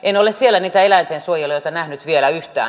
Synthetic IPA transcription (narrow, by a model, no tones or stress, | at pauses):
enolessielːæniːt̪æelænt̪eːnsuojolːɑjoˑit̪ɑnæhnyt̪ʋielæyht̪æ̰ː